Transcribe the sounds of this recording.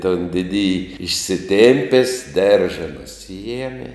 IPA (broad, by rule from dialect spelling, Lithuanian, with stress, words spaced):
toːn ˈdʲɪdʲɪjɪ ɪʃʲsʲɪˈtʲeːmʲpʲeːs ˈdʲɛrʒɐ nʊˈsʲɪjɛmʲɪ